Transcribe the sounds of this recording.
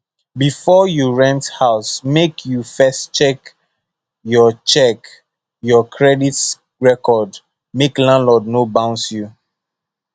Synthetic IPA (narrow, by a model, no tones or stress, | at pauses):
bifɔjuɹɛ̃nthaʊsmekʰjufɛstt͡ʃɛk | jɔt͡ʃɛk | jɔkʰɹɛdit | ɹɛkɔd | meklãnlɔdnobãʊ̃nsju